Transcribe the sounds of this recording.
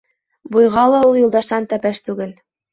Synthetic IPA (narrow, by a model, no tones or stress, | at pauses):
bujʁɑlˠɤujulˠd̪ɑʃɑnt̪æpæʃt̪uɣɘ̆lʲ